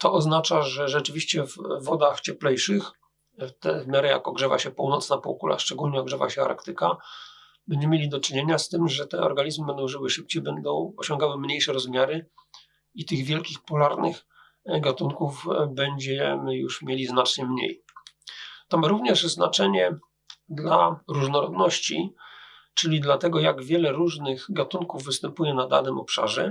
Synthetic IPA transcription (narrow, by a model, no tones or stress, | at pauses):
t̪ɔɔznat͡ʂaʐɛʐɛt͡ʂɘvʲiɕt͡ɕɛvːɔd̪axt͡ɕɛplɛjʂɘx | ft̪ɛ̰vmʲjaɾɛja̰kɔɡʐɛva̰ɕɛpuwnɔt̪snapɔ̰wkṵla̰ʂt͡ʂɛɡulɲɛɔɡʐɛva̰ɕɛa̰ɾkt̪ɘka | bɛɲd͡ʑɛmjelʲid̪ɔt͡ʂɘɲeɲast̪ɘmʐɛt̪ɛɔ̰ɾɡaɲizmɘbɛnd̪ɔ̃w̃ʐɘwɘʂɘp̚t͡ɕejbɛnd̪ɔ̃w̃ɔɕɔŋɡawɘmɲejʂɛɾɔzmʲjaɾɘ | it̪ɘɣvʲjɛlkʲixpulaɾnɘ̰x | ɡat̪uŋkuvbɛɲd͡ʑɛmɘjṵʂmʲjelʲiznat͡ʂɲɛmɲḛj | t̪ɔmaɾuvɲɛʐzna̰t͡ʂɛɲɛ | d̪laɾuʐnɔɾɔd̪nɔɕt͡ɕḭ | t͡ʂɘlʲid̪lat̪ɛɡɔjaɡvʲjɛlɛɾuʐnɘɣɡat̪uŋkuvːɘst̪ɛmpujɛnad̪a̰nɘmɔpʂa̰ʐɛ